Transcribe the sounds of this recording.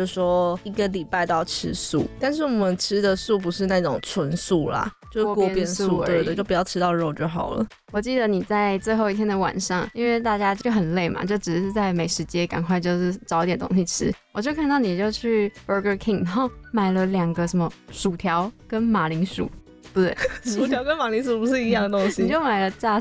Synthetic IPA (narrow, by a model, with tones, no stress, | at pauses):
ʂwɔ˦˥i˧˥ɡə˨li˨˩pa˥˧ɪt̪ɑ˥˨˩ʊʈ͡ʂʰɻ̩˧˥sṵ˥˩t̪a˥˧nʂ̬ɻ̩˥˩wɔ˨˩mə˨˦nt͡ɕʰɻɻ̩˥d̪ə˨su˥˩p̬u˧˥ʂɻ̩˥˧na˥˩ʈ͡ʂʊ˨˩ŋt͡sʰwə˧˦nsu˥˩la̰˨˩t͡ɕjo˥˧ʂkɔ˥˧pjɛ˧˥nsu˥˧˥d̪ə˨t͡ɕjo˥˩pu˩jɑ˥˩ʊʈ͡ʂʰɻ̩˥t̪ɑ˥˧ʊɻo˥˧ʊt͡ɕjo˥˩ʊxɑ˨˩ʊlə̰˦ | wɔ˨˩t͡ɕi˥˩d̪ə˩˦ni˨˩t͡sa˥˧ɪt͡swe˥˧ɪxo˥˧ʊi˥˩t̪ʰjɛ˥nd̪ə˨wa̰˨˩nʂɑ˥˩ŋi˥nwe˥˧ɪt̪a˥˧˩t͡ɕja˥t͡ɕjo˥˩ʊxə˨˩nle˥˩ɪmʔa̰˨˩t͡ɕjo˥˩ʊʈ͡ʂɻ̩˨˩ɻ̩˥˧t͡sa˥˩ɪme˨˧˥ɪʂɻ̩˧˥t͡ɕjɛ˥ka̰˨˩nkʰwa˥˧ɪt͡ɕjo˥˧ʊʂɻ̩˥˩ʈ͡ʂɑ˨˥ʊi˥t̪jɛ˨˩nt̪o̰˥ŋɕi˨˩ʈ͡ʂʰɻ̩˥wɔ˨˩t͡ɕjo˥˧ʊkʰa˥˧nd̪ɑ˥˩ʊni˨˩t͡ɕjo˥˧ʊt͡ɕʰy˥˩bə˧˥ɡə˧kʰi˥˩ŋna˧˥xo˥˩ʊma˨˩ɪlə˦ljɑ˨˩ŋɡə˨ʂə˧˥nmə˧ʂu˨˩t̪ʰjɑ˧˥˦ʊkə˦˥nma˨˩li˧˥ŋʂṵ˨˩˦ | e˥˩t̪we˥˩ɪʂu˨˩tʰjɑ˧˥ʊkə˦nma˨˩li˧˥ŋʂu˨˩pu˧˥ʂɻ̩˥˩i˧˥jɑ˥˩ŋd̪ə˩t̪o˥ŋɕi˨i˨˩t͡ɕjo˥˩ʊma˨˩ɪlə˧t͡ɕa˥˧